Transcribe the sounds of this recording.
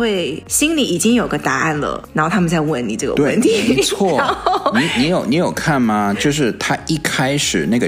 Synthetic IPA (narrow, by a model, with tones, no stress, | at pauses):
we˥˩ɪɕi˥nli˧˥i˨˩t͡ɕi˥ŋjo˨˩ʊɡə˧t̪a˧˥ʔa˥˩nlə̰˩nn˧a˨˥nxo˥˩ʊt̪ʰa˥mə˨nt͡sa˥˧ɪwə˥˩nnḭ˨˩ʈ͡ʂɤ˥˩ɡə̰˧t̪we˥ə˩˥˧nt̪ʰi˨˥˦t͡sʰwɔ˥˩ni˧˥ni˧˥jo˨˩ʊni˧˥jo˨˩ʊkʰa˥˩nma˨t͡ɕjo˥˧ʊʂ̬ɻ̩˥˩t̪ʰa˦i˥˩kʰa˥ɪʂɻ̩˨˩na˥˩ɡə˨˩